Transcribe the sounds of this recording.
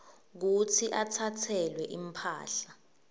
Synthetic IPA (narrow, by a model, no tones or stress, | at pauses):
k̬ut͡sʰiʔatʰatʰɛlwɛʔimpʰa̰ːɬa